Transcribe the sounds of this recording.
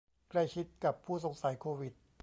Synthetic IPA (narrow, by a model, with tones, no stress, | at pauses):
kla˥˩jt͡ɕʰi˦˥t̪̚ka˨˩pʰːuː˥˩s̬o˨˩˦ŋsa˩˦jkʰoː˧wi˨˩t̪̚